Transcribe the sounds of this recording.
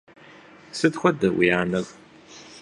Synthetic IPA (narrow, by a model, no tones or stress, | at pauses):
sɨdxʷɔdɐwḭjaːnɐɣ